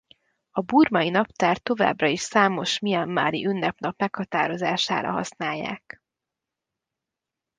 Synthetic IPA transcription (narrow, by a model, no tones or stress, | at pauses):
ɒbuːrmɒinɒpt̪aːrt̪ːo̞va̰ːbrɒiʃsaːmo̞ʃmijɛmːa̰ːɾḭʔynːɛpnɒpmɛkhɒt̪aːɾo̞zaːʃa̰ːɾɒ̰ɦɒ̰snaːjːa̰ːk